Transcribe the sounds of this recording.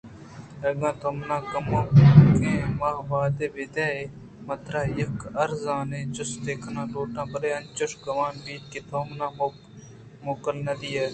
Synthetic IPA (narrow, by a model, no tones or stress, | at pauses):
əɡãːt̪ʰoːmnãːkəmoːkẽːmaːɦʋaːd̪eːbeːt̪ɛːeː | mət̪ɾaːɪkəɾzãːnẽːt͡ʃʊsd̪eːkʰnãːloːʈãːbəɾeːənt͡ʃʊʂkəʋaːnbiːt̪̚keːt̪ʰoːmnãː | moːkəlnəd̪iːeː